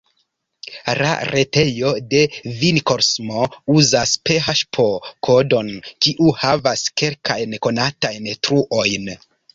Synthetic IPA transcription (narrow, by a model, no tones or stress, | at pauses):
la̰ɾʔe̞te̞jo̞de̞vinkoɾsmouzaspeɦaʃpʰo̞kʰo̞do̞nkiʔuhavaske̞lkʰajnko̞natajntɾuʔo̞jn